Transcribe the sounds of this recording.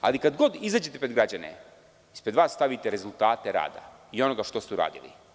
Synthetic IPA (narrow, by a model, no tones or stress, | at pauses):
a̰likad̪ɡod̪izaːd͡ʑet̪e̞pɾeɡɾad͡ʑanḛ | ispɾed̪ʋaːsːt̪aʋit̪eɾe̞zulˠt̪aːt̪e̞ɾa̰ːd̪a̰io̞no̞ɡaʃt̪o̞st̪euɾa̰ːd̪ilḭ